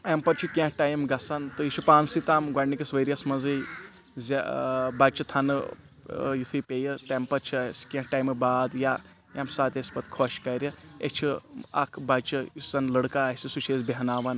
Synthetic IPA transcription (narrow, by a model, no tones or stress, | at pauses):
ɐmpɐɾt͡ʃʰukʲãhʈaːjmɡɐsɐnt̪ɨit͡ʃʰupaːnsit̪aːmɡwɐɽnikʲɐsʋɐɾijɐsmɐzɨj | zʲabɐt͡ʃʰɨt̪ʰɐnɨ | jit̪ʰɨjpʲeːjɨt̪ɐmpɐɾt͡ʃʰiskʲẽhʈajmɨbaːd̪ja | jamsaːt̪ʲesʲpɐt̪kʰoʃkɐɾʲɐḛt͡ʃʰiɐ̰kʰbɐt͡ʃʰɨjisɐnlɐɽkaːsʲisut͡ʃʰeːzbʲeɦɐnaːʋɐn